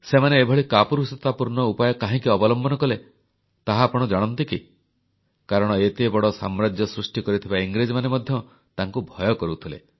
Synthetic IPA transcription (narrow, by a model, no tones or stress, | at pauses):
semaneːbʱɔɭikapuɾusit̪apuɾɳɔupajɔkaɦĩkiɔbɔlɔmbɔnɔkɔle | t̪aɦapɔɽ̃ɔd͡ʒaɽ̃ɔnt̪iki | kaɾɔɽ̃ɔet̪ebɔɽɔsa̰mɾad͡ʒjɔsɾusʈikɔɾit̪ʰibaiŋɡɾed͡ʒɔmanemɔd̪ʱjɔ | t̪aŋkubʱɔjɔkɔɾut̪ʰilḛ